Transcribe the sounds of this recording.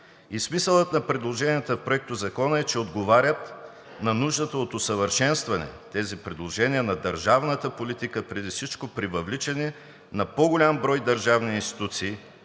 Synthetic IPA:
ismisəlˠət̪nɐpɾɛd̪lˠoʒɛnijət̪əfpɾoɛk̚t̪ʊzɐkɔnəɛt͡ʃɛod̪ɡovaɾʲət̪ | nɐnuʒd̪ət̪əot̪osəvəɾʃɛnst̪vɐnɛ̰t̪ɛzipɾɛd̪lˠoʒɛniənɐd̪əɾʒavnət̪əpolit̪ikəpɾɛd̪ifsit͡ʃkopɾivɐvlit͡ʃɛnɛ | nɐpoɡolʲambɾɔjd̪ɐɾʒavniinst̪i̥t̪ut̪siː

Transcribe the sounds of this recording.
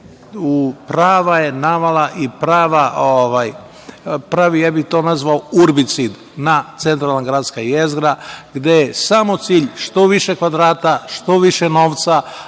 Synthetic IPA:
upɾaːʋajenaʋalaʔipɾaːʋaʔoʋaj | pɾaʋijaːbixt̪o̞nazʋaouɾbit̪sid̪ | nat̪se̞nt̪ɾalˠanɡɾaːd̪skajezɡɾaɡd̪e̞jesamo̞t̪siːʎʃt̪o̞ʋiʃekʋad̪ɾaːt̪aʃt̪o̞ʋiʃeno̞ːʋt̪sa

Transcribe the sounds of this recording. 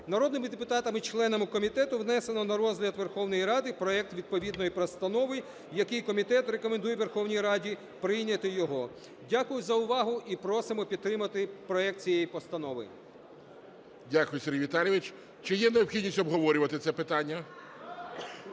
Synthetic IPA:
nɐɾɔd̪nɪmɪd̪epʊt̪ɑt̪ɐmit͡ʃlˠɛnɐmɪkɔmʲit̪ɛt̪ʊʋnɛsenɔnɐɾɔzʲɦlʲɐd̪ʋerxɔwnɔjiɾɑd̪ɪpɾɔɛk̚t̪ʋʲid̪̚pɔʋʲid̪nɔjipɾɔst̪ɐnɔʋɪ | jɐkɪjkɔmʲit̪ɛt̪re̞kɔmend̪ujɛʋerxɔwnʲijɾɑdʲi | pɾɪjnʲɐt̪ɪjɔɦɔ | dʲakʊjʊzɐʊʋɑɦʊʔipɾɔsɪmɔpʲid̪t̪ːɾɪmɐt̪ɪpɾɔɛk̚t̪̚t͡sʲijɛjipɔst̪ɐnɔʋɪ̰ | dʲakʊjʊseɾʲiʋʲit̪ɑlʲjɪʋɪt͡ʃ | t͡ʃɪjɛneɔpxʲid̪ʲnʲisʲtʲɔbɦɔʋɔɾʲʊʋɐt̪ɪt̪sɛpɪt̪ɑnʲːɐ

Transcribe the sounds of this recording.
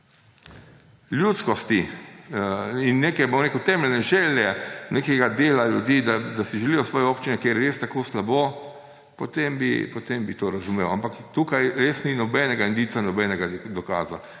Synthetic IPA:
ljuːt̪skɔst̪i | inːeːkɛbomɾeːkəwt̪ɛːmɛlʲnɛʒɛːljɛnekɛɡad̪eːlalʲjud̪iːd̪ad̪asiʒɛlijɔsʋɔːjɛoːpt͡ʃinɛkeɾjɾest̪akoːslaboː | pot̪embḭpɔt̪embit̪oɾazumewampakt̪uːkajɾesninɔbɛːnɛɡaind̪iːt̪sanɔbɛːnɛɡad̪ɔkaːza̰

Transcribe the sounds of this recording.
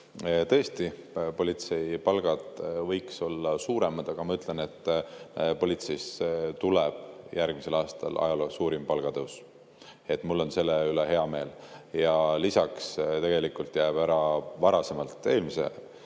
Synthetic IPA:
t̪ɤ̞est̪i | po̞lʲit̪se̞jpɑlɡ̥ɑd̪̥vɤjkso̞lːɑsuːɾe̞mɑd̪̥ɑɡ̥ɑmɑyt̪ˑle̞ne̞t̪ːpo̞lʲit̪sejst̪uleb̥jʔærɡ̥mise̞lɑːst̪ɑ̰lʔɑ̰jɑloːsuːɾimpɑlɡ̥ɑd̪ɤws | e̞t̪ːˑmulːo̞nse̞lːeyleɦe̞ɑme̞ːljɑlisɑkst̪e̞ɡ̥e̞likˑult̪ˑjæːb̥æɾɑvɑɾɑse̞mɑlt̪ˑːe̞ːlmisḛ

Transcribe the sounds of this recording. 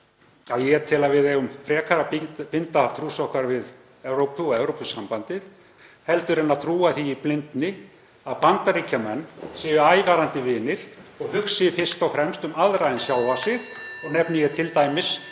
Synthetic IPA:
aðjɛt̪ʰɪlaðvɪðɛɣʏmfɾɛːkʰaɾapɪnt̪aθʰɾuːsɔhkaɾvɪð | ɛwɾowpʏɔɣɛwɾowpʏsːampant̪ɪð | hɛlt̪ʏɾɛnːaðt̪ʰɾuːaθiiplɪnt̪nɪ | aðpant̪aɾiːcamɛnːsɪvʏaːjvaːɾant̪ɪvɪːnɪɾ̥ɔɣhʏksɪfɪr̥st̪awfɾɛmst̪ʏmaðɾajɪnsjalvasɪɣɔɣnɛpnʏjɛt̪ʰɪlt̪aːjmɪs

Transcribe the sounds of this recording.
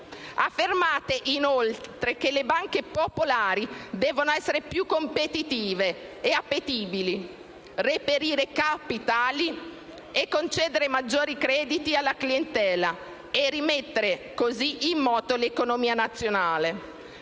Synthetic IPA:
afːermaːt̪eʔinolt̪ɾekelebaŋk̟epopolaːɾid̪ɛːvonoɛsːeɾepjukːompet̪it̪iːveːapːet̪iːbili | repeɾiːɾekapit̪aːli | ekːont͡ʃɛːd̪eɾemad͡ʒːoːɾikɾɛːd̪it̪ialːaklient̪ɛːla | erimet̪ːeɾekoziʔimːɔːt̪olekonomiːanat̪sːjonaːle

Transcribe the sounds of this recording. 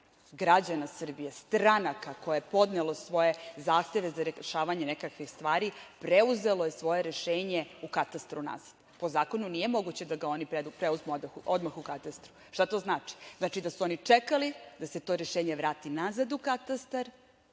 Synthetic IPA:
ɡɾad͡ʑanasr̩bijest̪ɾanakako̞jaepo̞d̪nelˠosʋo̞je̞zaːxt̪e̞ʋe̞zaɾeʃaːʋaɲe̞nekakʋixst̪ʋaːɾipɾeuze̞lo̞je̞sʋo̞je̞ɾe̞ʃeːɲe̞ukat̪ast̪ɾuna̰z̥ad̪̥po̞zaːko̞nunije̞mo̞ɡut͡ɕe̞d̪aɡao̞nipɾeupɾeuzmud̪ʔod̪maxukat̪ast̪ɾu̥ | ʃt̪at̪o̞znaːt͡ʃi̥znat͡ʃid̪asuo̞nit͡ʂekalid̪ase̞t̪o̞ɾeʃeːɲe̞ʋɾaːt̪inazad̪ukat̪ast̪aɾ

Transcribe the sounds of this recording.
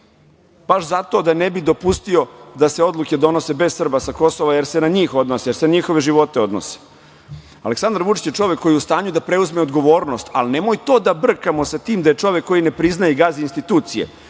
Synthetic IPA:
b̥aʃzat̪o̞ːd̪anebid̪o̞pust̪io̞d̪ase̞o̞d̪lˠuked̪o̞no̞se̞bezsr̩basako̞soʋaje̞ɾsenaɲiːxo̞d̪nosejeɾsenaɲixoʋe̞ʒiʋo̞t̪e̞o̞d̪no̰se̥ | a̰leksand̪ɾʋut͡ʂi̥t͡ɕjet͡ʂo̞ʋekːo̞jiust̪aːɲud̪apɾe̞uzmeod̪ɡo̞ʋo̞ːɾno̞st̪alnemojt̪o̞ːd̪abr̩kamosat̪iːmd̪ajet͡ʂo̞ʋekːo̞jinepɾiznajeɡazinst̪it̪uːt̪sijḛ

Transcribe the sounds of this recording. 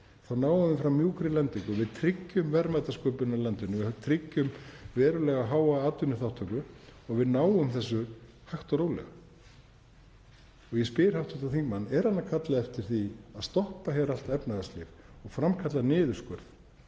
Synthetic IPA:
θawnaːwʏðmfɾawmːjuːkɾɪlɛnt̪iŋkɔɣvɪðt̪ʰɾɪcːʏmvɛɾmat̪askœːpʏnalɛnt̪ʏnɪvɪht̪ʰɾɪcːʏmvɛːɾʏlɛɣaɦaːwaaːt̪ʏnːɪθaw̥ht̪ʰɔkʏɔɣvɪðnaːwʏmθɛs̬ːʏ | haxt̪ɔɾoːwlɛ̰ɣa̰ | ɔɣjɛspɪɪɾhaw̥ht̪ʰɔht̪aθiŋkmanːɛɾ̥hanːakʰat̪laɛft̪ɪɾ̥θiaðst̪ɔhpaçɛːɾal̥t̪ɛpnaɣast̪lɪ̰v | ɔɣfɾamkʰat̪lanɪːðʏskœɾð

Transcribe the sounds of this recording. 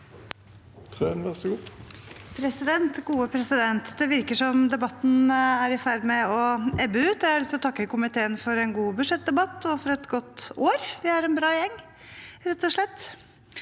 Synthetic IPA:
t̪ʰʁønʋæʁsɡuːpʰɾɛsɪd̪ɛnt̪ɡuːəpʰɾɛsɪd̪ɛnt̪d̪ɛʋɪɾkəʂɔmd̪ɛbɑt̪ːn̩æɾɪfæɾmɛɔʔɛbəʉːt̪ɔjæhɑɭʏst̪ɔt̪ʰɑkːəkʊmɪt̪ʰeːənfɔɾɛnɡuːbʉʂɛt̪̚d̪ɛbɑt̪ːɔfɔɾɛt̪ɡɔt̪ːoːɾʋɪhɑɾɛnbɾɑːjɛŋː | ɾɛt̪ːɔʂɭɛt̪ː

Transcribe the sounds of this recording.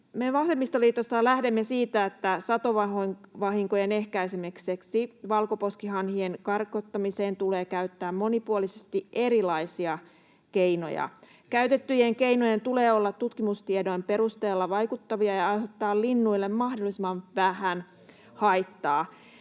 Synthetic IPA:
meʋɑsemːist̪oliːt̪osːɑlæhdemːesiːt̪æet̪ːæsɑt̪oʋɑoŋʋɑɦiŋkojene̞hkæisemekseksiʋɑlkopo̞skiɦɑnhienkɑrkot̪ːɑmiseːnt̪ule̞ːkæyt̪ːæːmːo̞nipuolisest̪ieɾilɑisiɑ | keino̞̰jɑ̰ | kæyt̪et̪ːyjeŋkeinojent̪uleːolːɑt̪ːut̪kimust̪iedo̞jmpe̞ɾust̪eːlːɑʋɑjkut̪ːɑʋiɑjɑɑjɦot̪ːɑːllinːuilːemmɑhdolːˑisimɑnʋæhæn | hɑijt̪ːɑː

